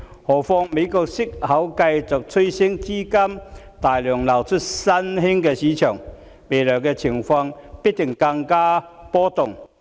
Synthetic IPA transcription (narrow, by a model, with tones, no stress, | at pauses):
hɔː˨˩fɔː˧ŋme˨˧jkɔː˨˧k̚sɪ˥k̚hɐ˨˥wkɐ˧jt͡sʊ˨k̚t͡sʰɵ˥jsɪ˥ŋt͡siː˥kɐ˥mt̪aː˨˩jlœː˨˩ŋlɐ˨˩wt͡ʃʰʊ˥t̚sɐ˥nɦɪ˥ŋkɛː˧siː˨˥t͡ʃʰœː˨˩ŋ | me˨˩jlœː˨˩ŋkɛː˧t͡sʰɪ˨˩ŋfɔː˧ŋpi˥t̪ɪ˨˩ŋkɐ˧ŋkaː˥pɔː˥t̪ʊ˨˩ŋ